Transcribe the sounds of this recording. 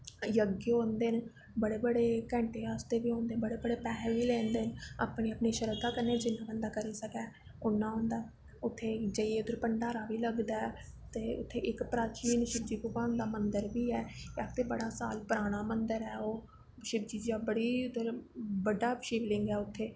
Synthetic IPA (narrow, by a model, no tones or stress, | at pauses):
jəɡɦõːnd̪eːn | bəɽeːbəɽeːkɛ̃ːɳʈeːaːst̪eːbiːɦõːnd̪eːbəɽeːbəɽeːpɛːɦʋiːlẽːnd̪eːna̰ːpneːəpneːʃəɾəd̪aːkəɾnːeːd͡ʒɪnːãːpɛ̃ːnd̪aːkəɾiːsəkɛː | ʊnːãːɦõːnd̪aː | ʊt̪ʰːeːd͡ʒəieːʊd̪əɾpəɳɖaːɾaːbiːləɡd̪aːɛ | t̪eːʊ̰t̪ʰːeːʔɪkpɾaːt͡ʃiːnʃɪb̚d͡ʒiːpʊkaːnd̪aːmənd̪əɾbiːɛːakt̪ʰeːbəɽaːsa̰ːlpəɾaːɽ̃aːmənd̪əɾɛːoː | ʃɪb̚d͡ʒiːd͡ʒd͡ʒaːbəɽiːʊd̪əɾbəɖaːʃiːʋlɪ̃ŋɡɛːʊt̪ʰːeː